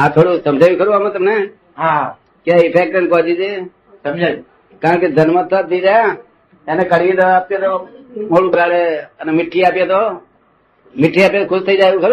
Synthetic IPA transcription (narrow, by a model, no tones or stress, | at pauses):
ãːt̪ʰoːɽuːsəmd͡ʒʱaːjiːkəɾuːaːmə̃t̪əbneː | ɦa | kjaːɪpʰeːk̚ʈənkoːd͡ʒiːd͡ʒeː | səmd͡ʒa | kãːked̪ʱənmat̪ʰːaːt̪ʰiːd͡ʒaːjã | eːneːkəɽẽːd̪oːaːp̚t̪ẽt̪oːmoːɽuːbəɾaːɽeːənːmɪʈʰːiːaːpjẽːt̪oː | mɪʈʰːiːaːpjeːt̪oːkʰʊst̪ʰəiːd͡ʒaːukʰəɾoː